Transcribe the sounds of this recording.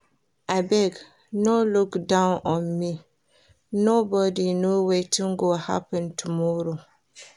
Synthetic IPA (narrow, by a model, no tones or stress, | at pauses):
ʔabɛɡ | nolukdãwnɔ̃nmi | nobɔdinowetĩŋɡoha̰pɛ̃ntumuɾo